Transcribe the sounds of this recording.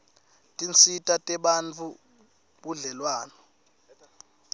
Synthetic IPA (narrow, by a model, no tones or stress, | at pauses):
tʼint͡sʰʼitʼatʼɛɓant͡fʰu | ɓuɮɛlwaːnɔ